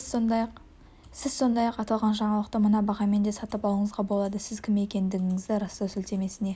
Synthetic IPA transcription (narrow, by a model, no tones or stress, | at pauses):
q | sɪzso̞nd̪ɑjɑqɑt̪ɑlˠʁɑnʒɑɴɑlˠəqt̪əmənɑbɑʁɑme̞nd̪esɑt̪əpɑlˠəɴəzʁɑbo̞lˠɑd̪əsɪzkʲʰɪme̞kʲe̞nd̪ɪɡʲɪŋɪzd̪ɪɾɑst̪ɑsʏlt̪e̞me̞sɪne̞